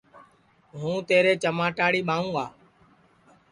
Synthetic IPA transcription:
ɦũːt̪eːɾeːt͡ʃəmaːʈaːɽiːɓãːũːɡaː

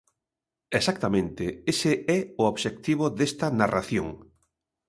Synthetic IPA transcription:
esak̚t̪amẽnt̪ɪesɪɛʊoβʃek̚t̪iβ̞oðest̪ɐnaraθjo̰ŋ

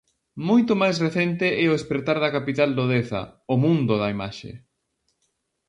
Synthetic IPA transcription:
mojt̪ʊmajsreθɛnt̪eʔɛoespɾeɾt̪aɾðɐkapit̪ald̪oðeθɐ̰ʊmũnd̪ʊðɐima̰ʃḛ

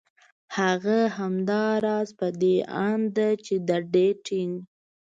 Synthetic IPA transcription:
haɣaɦamd̪ɑɾɑzpəd̪ea̰nd̪at͡ʃed̪aɖeʈiŋɡ

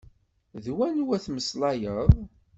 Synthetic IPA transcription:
ðwænwæθməslɑjəðˤ

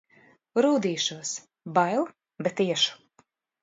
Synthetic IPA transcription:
ɾuːd̪iːʃuɔs | bajlˠ | bɛt̪iɛʃu̥

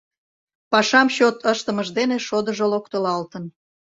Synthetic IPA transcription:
pɑʃɑmɕot̪əʃt̪əməʒd̪eneʃod̪əʒolokt̪olɑlt̪ən

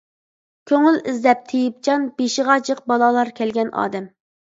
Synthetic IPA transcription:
kʲʰøŋylɪzlɛp̚t̪ʰejip̚t͡ʃɑnbeʃiʁɑd͡ʒəq̚bɑlˠɑlˠɑɾkʲʰɛlɡʲɛnɑ̰ːd̪ɛm

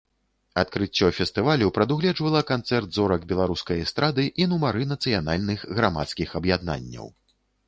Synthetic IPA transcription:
ɐt̪̚kɾɨt͡sʲːɔfʲɛst̪ɨvalʲuwpɾɐd̪uɣlʲɛd͡ʐvɐlˠɐkant̪sɛrt̪zɔɾɐɡbʲɛlˠaɾuskɐjɐst̪ɾad̪ɨʔinumaɾɨnɐt̪sɨjan̪alʲnɨxɣɾama̰t̪skʲixɐbjad̪na̰nʲːɐ̰w

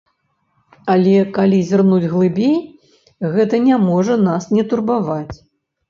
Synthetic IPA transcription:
alʲɛkalʲizʲrnud͡zʲɣlˠɨbʲej | ɣɛt̪ɐnʲamɔʐɐnasnʲɛt̪urbavat͡sʲ

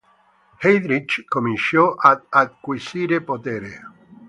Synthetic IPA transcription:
hɛjd̪ɾit͡ʃkominʃjɔʔaad̪̚kwisiːɾepot̪eːɾe

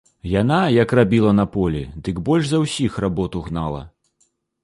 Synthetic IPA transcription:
janajɐkrabʲilˠɐnɐpɔlʲḭd̪ɨɡbɔlʲʐzɐwsʲixrabɔt̪uɣnalˠɐ̰

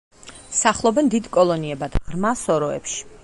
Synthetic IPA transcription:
saχlˠɔbɛnd̪id̪kʼɔlˠɔniɛbad̪̥ʁɾmasɔɾɔɛ̰pʃi̥

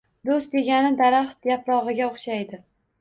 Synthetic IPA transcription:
d̪ost̪̚d̪e̞ɡʲanɪd̪aɾaχt̪japɾɒʁɨɡʲaoχʃajd̪ɪ

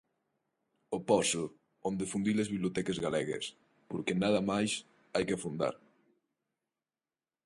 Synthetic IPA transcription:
opɔsʊ | ond̪efund̪ilezβiβljot̪ɛkezɣalɛɣḛs | poɾkenaðamajs | ajkefund̪a̰ɾ

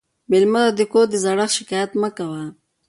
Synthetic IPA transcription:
mɪlməd̪ad̪əkoɾd̪əzaɽaxʃɪkajat̪məkawa

